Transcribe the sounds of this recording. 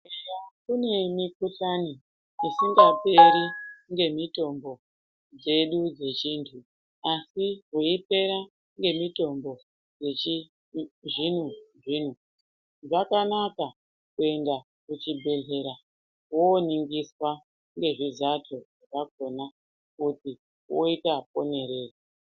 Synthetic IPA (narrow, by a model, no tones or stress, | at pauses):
eakune̞mikuɬani | isiŋɡape̞ɾiŋɡe̞mito̞mbo̞ | d͡ze̞ɗud͡ze̞t͡ʃiːntʰu | asiɦoipe̞ɾa | ŋɡe̞mito̞mbo̞ | d͡zei | ʐin̤uʐin̤u | ʐakanaka | kue̞nda | kut͡ʃibʱe̞ɮe̞ɾa | woniŋɡiswa | ŋɡe̞ʐizatʰoʐakaɡ̚ʱo̞na | kuti | woitap̚o̞ne̞ɾe̞ːri